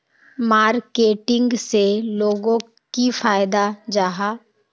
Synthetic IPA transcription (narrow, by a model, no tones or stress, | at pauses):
maːɾkeːʈɪ̃ŋɡseloːɡõ | kifaːjd̪ad͡ʒaːɦaː